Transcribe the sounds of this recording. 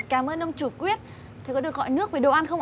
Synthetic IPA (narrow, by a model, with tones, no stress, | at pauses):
kaː˧˩mʔəː˧nʔə˧wŋ͡mt͡ɕu˧˩kwi˦˥ət̚ | t̪ʰe˨˩kɔ˨˦ɗɨ˨˩ək̚ɣɔ̰˧˨jnɨ˦˥ək̚vi˨˩ɗo̰˧˨ʔa˧nxə˧wŋ͡mʔ